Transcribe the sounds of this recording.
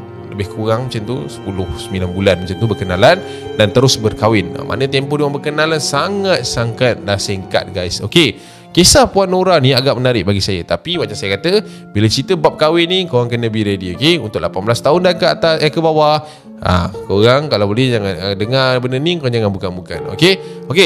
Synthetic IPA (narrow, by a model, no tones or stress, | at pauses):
ləbɪhkuɾaŋmət͡ʃant̪ṵsə̥pulʊhsəmilanbulanmət͡ʃant̪ubərkənalan | dant̪əɾʊsbərkawɪna̰mʔa̰nət̪ɛmpoduwaŋbərkənalansaŋat̪̚saŋkat̪̚lasɛŋka̰t̪̚ɡajso̰ke | kesapuanoɾanĩaɡaʔmənaɾɪʔ̚baɡisajə̰t̪apiwaʔt͡ʃasajəkat̪ə | bilat͡ʃit̪əbap̚kawɪnːĩkoɣaŋkənːəbiɾediokeunt̪ʊʔ̚lʔapanblast̪aʊndankəa̰t̪asakəbawa | a̰koɣaŋkalawbolɛhd͡ʒaŋanədəŋarbənəniŋkoand͡ʒaŋanbukanbuka̰no̰keoke